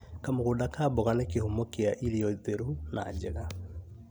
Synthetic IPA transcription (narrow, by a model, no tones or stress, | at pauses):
kamoɣudakaːboɣanɛkehumokeaʔiɾiɔðeɾuna̰d͡ʒeɣa